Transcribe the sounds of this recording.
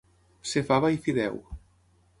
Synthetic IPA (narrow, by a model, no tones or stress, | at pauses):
sefaβaifiðɛ̰w